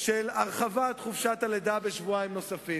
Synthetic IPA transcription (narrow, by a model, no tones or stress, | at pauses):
ʃelaʁχavat̪χufʃat̪aled̪abeʃvuajimno̞safi